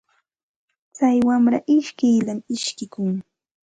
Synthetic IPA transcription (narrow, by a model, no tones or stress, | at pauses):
t͡sajwamɾaʔɪʃkɪjlamɪʃkɪkʊŋ